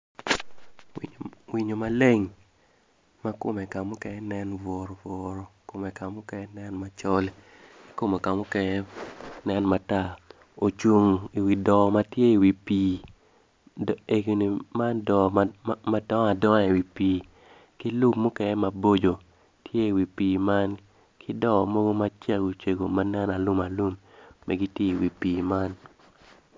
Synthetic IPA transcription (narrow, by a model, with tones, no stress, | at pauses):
wi˨ɲo˨ma˨le˦ŋ | ma˦ko˦me˨ka˨mʊ˦kɛ˦ɛ˦nɛ˦nvɔ˨ɾɔ˨vɔ˨ɾɔ˨ko˨me˨ka˨mʊ˦kɛ˦ɛ˦nɛ˦nma˨t͡ʃɔ˦l | i˦ko˦mo˨ka˨mʊ˦kɛ˦ɲɛ˦nɛ˦nma˨ta˦˨ | o˨t͡ʃu˨ŋi˨wi˨dɔ˨ma˦tje˦i˨wi˨piː˨ | e˨ɡi˨ni˨ma˦ndɔ˨ma˦dɔ˦ŋa˨dɔ˦ŋa˨i˨wi˨piː˨ | ki˦lu˦mmo˦kɛ˦ŋɛ˦ma˨bo˦d͡ʒo˨ | tje˦i˨wi˨piː˨ma˦n | kʰɪ˦dɔ˦˨mo˦ɡo˦ma˦t͡ʃa˦ɡu˨t͡ʃe˨ɡo˨ma˦nɛ˦na˨lu˦ma˨lu˦mːɛ̰˨ɡi˦tje˦i˨wi˨piː˨ma˦n